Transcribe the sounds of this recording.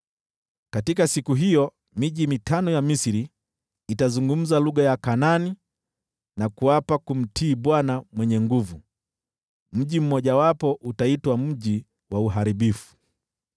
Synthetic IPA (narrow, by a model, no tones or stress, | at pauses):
katikasikuɦijɔ | miʄimitanɔjamisiɾiː | tazuŋɡum̩zaluɠajakanani | nakuapakum̩tʰiːɓwanamwɛɲɛŋɡuvu | m̩ʄim̩mɔʄawapɔʔutaitwam̩ʄi | wauɦaɾiɓifu̥